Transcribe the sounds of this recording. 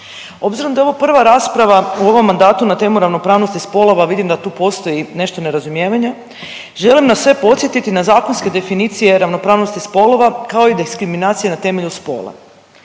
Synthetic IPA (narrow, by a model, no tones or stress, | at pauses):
o̞bziɾo̞md̪aoʋopr̩ʋaɾaːspɾaʋauo̞ʋo̞mːand̪aːt̪unat̪e̞ːmuɾaʋno̞pɾaːʋno̞st̪ispo̞lˠo̞ʋaʋid̪imd̪at̪uːpo̞st̪o̞jine̞ʃt̪o̞ne̞ɾazumje̞ːʋaɲe | ʒe̞limnasʋe̞po̞t̪sjet̪it̪inazaːkonske̞d̪e̞finiːt̪sije̞ɾaʋno̞pɾaːʋnost̪ispo̞lo̞ʋakao̞id̪iskɾiminaːt̪sije̞nat̪e̞me̞ʎuspo̞̰ːlˠa̰